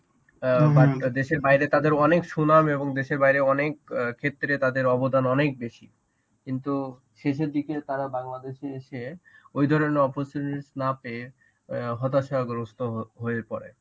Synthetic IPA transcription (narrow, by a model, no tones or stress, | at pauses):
baʈd̪eʃeɾbaiɾet̪ad̪eɾɔnekʃunameboŋd̪eʃeɾbaɦjɾeɔnekkʰːet̪ːɾet̪ad̪eɾɔbod̪ʱanɔnek̚beʃi | kint̪u | ʃeʃ̬eɾd̪iket̪aɾabaŋlad̪eʃeeʃeojd̪ʱɔɾoneɾɔpoɾt͡ɕuʈiɾsnape | ɦɔt̪aʃɔaɡɾost̪oɦoeɾpɔ̰ɾḛ